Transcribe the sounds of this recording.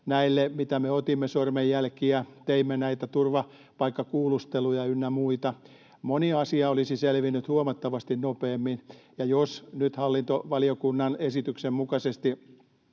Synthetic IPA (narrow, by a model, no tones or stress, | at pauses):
næilːemit̪æmeot̪imːesormejjælkiæt̪eimːenæit̪æt̪urʋɑ | pɑikːɑkuːlust̪elujɑynːæmuit̪ɑ | moniɑsiɑolisiselʋinːyt̪huomɑt̪ːɑʋɑst̪innopeːmːinjɑjosnyt̪hɑlːint̪oʋɑliokunːɑnesit̪yksemmukɑsest̪i